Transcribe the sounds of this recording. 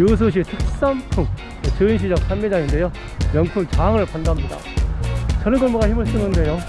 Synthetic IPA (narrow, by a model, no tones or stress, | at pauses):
jos̬ʰɯɕ̬ʰitʰek̚s͈ampʰuŋ | t͡ɕɯinɕʰid͡ʑak̚sʰanmed͡ʑaŋinde̞jo | mjʌŋpʰuŋt͡ɕaŋɯɭpʰandamɲida̰ | t͡ɕʌɾɯnɡʌɭmuɡaçimɯɭs͈ɯnɯnde̞jo